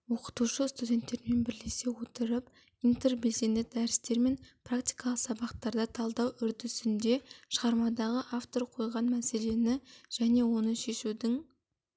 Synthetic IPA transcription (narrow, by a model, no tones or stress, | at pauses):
wo̞qə̥t̪uʃəst̪udʲe̞nt̪ːe̞ɾme̞nbɪɾle̞se̞wot̪əɾəp̚ | ijnt̪e̞rbe̞lse̞nd̪ɪd̪æɾɪst̪e̞ɾme̞npʰrakt̪i̥jkɑlˠəqsɑbɑqt̪ɑɾd̪ɑt̪ʰɑlˠd̪ɑwʏɾd̪ɪsɪnd̪e̞ʃəʁɑɾmɑd̪ɑʁəʔaft̪o̞ɾqʰo̞jʁɑnmæse̞le̞nɪʒ̥æne̞wo̞nəʃe̞ʃud̪ɪŋ